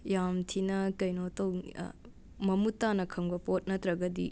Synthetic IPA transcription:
jamtʰinɐkɐjnotɐw | mɐmutːanɐkʰɐŋbɐpot̚nɐt̪ɾɐɡɐdḭ

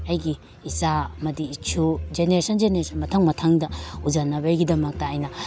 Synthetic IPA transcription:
ajɡiː | samɐdiːt͡ʃʰud͡ʒeneɾesɐnzeneɾesʰɐnmɐtʰaŋmɐtʰaŋdɐud͡ʒanːɐβajɡidɐmɐk̚tɐːjnɐ

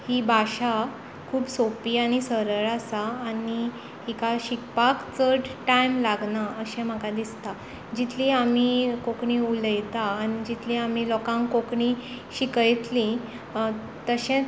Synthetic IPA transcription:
hibʱaɕa | kʰuːbsopiːañisəɾəɭasaːni | hikaɕikpakt͡səʈʈajmlaɡnaəɕẽm̤əkad̪ist̪a | d͡ʑit̪ʰlĩamikokɳĩuləjt̪aːñid͡ʑit̪ʰlĩam̤ilɔkãŋkkokɳi | ɕikəjt̪lĩ | t̪əɕẽ

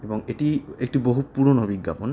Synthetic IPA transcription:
ebɔŋeʈiek̚ʈiboɦut̚puɾonobiɡːapɔn

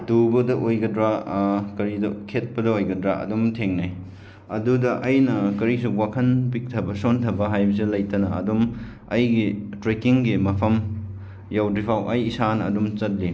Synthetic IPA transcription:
tubɐdɐʔojɡɐdɾakɐɾidɐ̰kʰet̚pɐdɐojɡɐdɾa̰ɐ̰dumtʰeŋnaj | ɐdudɐʔɐjnɐkɐɾis̬uwakʰɐnpik̚tʰɐbɐsontʰɐbɐɦajbɐs̬ilɐjtɐnɐɐ̰dum | ɐjɡitɾekiŋɡimɐpʰɐm | jawdɾipʰawʔɐjːsanɐ̰dumt͡ʃɐt̚li

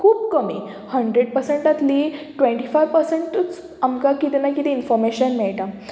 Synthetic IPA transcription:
kʰuːb̚kəmi | həɳɖɾeɽ̚pəɾsẽɳʈat̪liːʈʋẽɳʈifajʋpəɾseɳʈt͡s | amkakit̪inakit̪ĩinfɔɾmeɕənmɛɭʈã

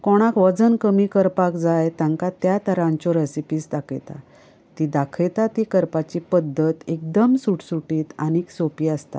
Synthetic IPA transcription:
kɔɽ̃akʋəd͡zənkəmiːkəɾpakd͡zajt̪jãŋkat̪jat̪ʰəɾãɲt͡ɕɔɾɛsipiːsd̪akʰəjt̪a̰ | t̪id̪akʰəjt̪at̪ikəɾpat͡ɕipəd̪ʱːət̪ek̚d̪əmsuʈsuʈiːt̪a̰niksopiast̪a̰

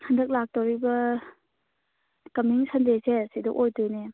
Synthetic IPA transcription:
handɐk̚lak̚toɾibɐ | kɐmiŋsandesesidɔʔojdojne

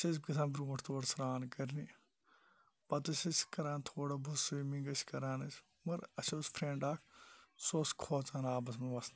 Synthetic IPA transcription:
t͡ʃɐsɡit̪ʰãːnbɾuːʈʰt̪ʰoːɽɐsɾaːnkɐɾni | pɐt̪ɐsɐskɐɾaːnt̪ʰoːɽɐbɐsimiŋɡɐt͡ʃʰkɐɾaːnɐt͡ʃ | mɐɾɐʃʰoːspʰɾeɳɖaːkʰsoːskʰoːt͡saːnaːbɐsmɐʋɐsn

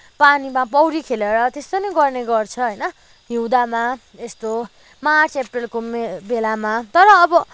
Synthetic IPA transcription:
panimapʌwɾikʰeleɾʌt̪est̪onʌɡʌrneɡʌrt͡sʰʌɦʌjnʌ | ɦiwd̪ama | est̪o | mat͡sʰeprelkomebelamat̪ʌɾʌːbʌ

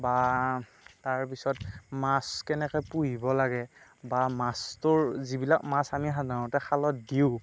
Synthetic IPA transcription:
ba | taɹpisɔtmaskɛnɛkɛpuɦibɔlaɡɛbamastʊɹzibilakmasamiɦadanʊtɛxʰalɔt̚diʊ

